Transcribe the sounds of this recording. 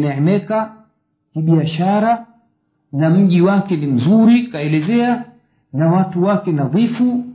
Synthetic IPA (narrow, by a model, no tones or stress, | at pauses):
nɛɛmɛka | kiɓiaʃaɾa | nam̩ʄiwakɛnim̩zuɾikaɛlɛzɛa | nawatuwakɛnaðifu